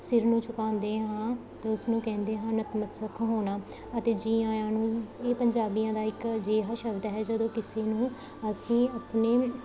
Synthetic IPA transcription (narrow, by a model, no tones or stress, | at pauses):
sɪɾnũːt͡ʃʊkãːnd̪eːɦãː | t̪eːʊsnũːkɛ̃ːnd̪eːɦãːnət̪mət̪səkʰɦoːnaː | ət̪eːd͡ʒiːãːjãːnũːeːpəɲd͡ʒaːbiːjãːd̪aːɪkd͡ʒeːɦaːʃəbd̪ɦɛːd͡ʒəd̪õːkɪseːnũː | əsĩːəpneː